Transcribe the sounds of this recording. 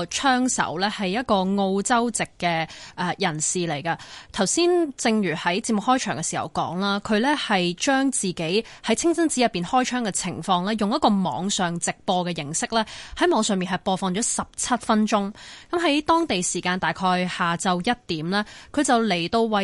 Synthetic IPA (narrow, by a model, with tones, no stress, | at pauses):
t͡ʃʰœː˥ŋsɐ̰˨˥wlɛː˥hɐ˨jːɐ˥t̚kɔː˧ŋo˧wt͡sɐ˥wt͡sɪ˨kːɛː˧ʔɛː˨˧jɐ˨˩nsiː˨˩le˨˩jkɐ˧t̪ʰɐ˨˩wsiː˥nt͡sɪ˧ŋɥyː˨˩hɐ˨˥jt͡siː˧p̚mʊ˨k̚hɔː˥jt͡ʃʰœː˨˩ŋkɛ˧siː˨˩hɐ̰˨˩wkɔ̰ː˨˥ŋlaː˥kʰɵ˨˧ɥlɛː˥hɐ˨jt͡ʃœː˥ŋt͡siː˨ke˨˥j | hɐ˨˥jt͡sʰɪ˥ŋsɐ˥nt͡si˨˥jɐ˨t̚pːiː˨˩nhɔː˥jt͡ʃʰœː˥ŋkɛ˧t͡sʰɪ̰˨˩ŋfɔː˧ŋlɛː˥jʊ˨ŋjɐ˥t̚kɔː˧mɔ̰ː˨˥ŋsœː˨ŋt͡sɪ˨k̚pɔː˧kɛː˧jɪ˨˩ŋsɪ˥k̚lɛː˥hɐ˨˥jmɔː˨˧ŋsœː˨ŋmiː˨nɦɐ˨jpɔː˧fɔː˧ŋt͡ʃɔː˨˥sɐ˨p̚t͡sʰɐ˥t̚fɐ˥nt͡ʃʊ˥ŋkɐ˨˧˥mɦɐ˨˥jt̪ɔː˥ŋt̪e˨jsiː˨˩kaː˧nt̪aː˨jkʰɔː˧jhaː˨t͡sɐ˧wjɐ˥t̚t̪iː˨˥mlɛː˥kʰɵ˨˧ɥt͡sɐ˨˩wle˨˩jt̪o˧wːɐ˨˥